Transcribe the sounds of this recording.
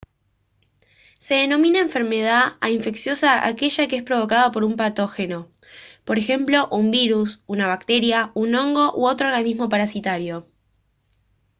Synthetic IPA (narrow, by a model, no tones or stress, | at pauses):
se̞ðeno̞mĩnaeɱfe̞ɾme̞ð̞aaiɱfe̞ksjo̞saʔa̰ke̞ʒakeespɾo̞βo̞kaðapo̞ɾumpat̪o̞xe̞no̞ | po̞ɾe̞xe̞mplo̞ʔumbiɾusunaβ̞ak̚t̪e̞ɾjaunõ̞ŋɡo̞ʔoo̞t̪ɾo̞ɾɣanizmo̞paɾasit̪aɾjo̞